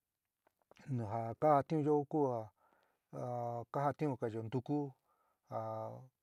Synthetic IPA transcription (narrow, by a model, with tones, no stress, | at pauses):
nũ˨ɦa˨ka˦ha˧t̪ĩ˦ũ˧jo˦ku˦ha˧˨ | ka˦ha˧t̪ĩ˦ũ˧ka˧˨jo˧nd̪u˧ku˦ | ha˨